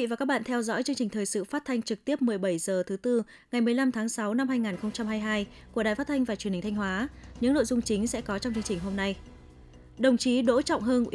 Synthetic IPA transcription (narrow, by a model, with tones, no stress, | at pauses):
va˨˩ka˦˥k̚ɓa̰ː˧˨nt̪ʰɛ˧wzɔ̰˧˥jt͡ɕɨ˧əŋt͡ɕï˨˩ŋ̟t̪ʰəː˨˩jsɨ̰˧˨faː˦˥t̚t̪ʰa˧jŋ̟t͡ɕɨ˨˩k̚t̪i˦˥əp̚mɨ˨˩əjɓə˧˩jzəː˨˩t̪ʰɨ˨˦t̪ɨ˧ | ŋa˨˩jmɨ˨˩əjla˧mt̪ʰaː˨˦ŋsa˨˦wna˧mhaː˧jŋaː˨˩nxə˧wŋ͡mt͡ɕa˧mhaː˧jɦaː˧j | ku˧˩əɗaː˨˩jfaː˦˥t̪̚ʰa˧jŋvaː˨˩t͡ɕwnhŋ̟t̪ʰjŋ̟ɦwaː˨˦ɲɨ̰˧˥ŋno̰˧˨jzʊ˧ŋ͡mt͡ɕï˨˦ŋ̟sɛ̰˧˥kɔ˨˦t͡ɕɔ˧wŋ͡mt͡ɕɨ˧əŋt͡ɕï˨˩ŋ̟ɦo˧mna˧j | ɗə˨˩wŋ͡mt͡ɕi˨˦ɗo̰˧˥t͡ɕɔ̰˧˨wŋ͡mɦəː˧n˧